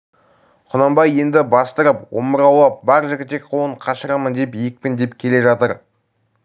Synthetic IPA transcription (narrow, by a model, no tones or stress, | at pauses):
qʰʊnɑmbɑje̞nd̪ɪbɑst̪əɾəpwo̞̰məɾɑwlˠɑp̚bɑɾʒɪɡʲɪt̪e̞k̚ʲqʰolˠəɴqʰɑʃəɾɑmənd̪e̞pijɪk̚pɪnd̪e̞pkʲʰe̞le̞ʒɑt̪əɾ